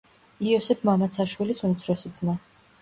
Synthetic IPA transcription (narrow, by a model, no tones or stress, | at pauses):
iɔsɛpʰmamat̪sʰaʃwilisunt̪sʰɾɔsid̪zma